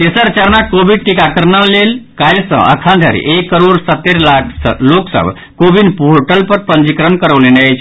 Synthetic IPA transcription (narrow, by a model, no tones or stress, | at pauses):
t̪esəɾt͡ʃaɾnakobiɖ̚ʈikakəɾnalelkajsə̰̃ʔə̰kʰãd̪ʱəɾḭʔekːəɾoɾsət̪ːeɾlakʰsəloksə̰b | kobinpoɾʈəlpəɾpənd͡ʒikɾənkəɾəʋleneat͡ʃʰ